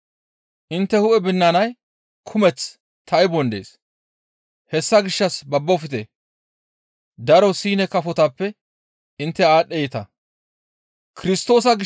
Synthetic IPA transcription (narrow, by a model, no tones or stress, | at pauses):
ʔɪnt̪ːɛhʊʔɛbɪnːanɐj | kʰʊmɛt͡s | t̪ʰːɐɪbɔnd̪ḛːs | hɛsːɐɡɪʃːɐsbɐbːɔfɪt̪e | d̪ɐɾɔsiːnɛkɐfɔt̪ɐpːɛ | ɪnt̪ːɛaːɗːɛjɪt̪ɐ | kɪɾɪst̪o̞ːs̬ɐɡɪ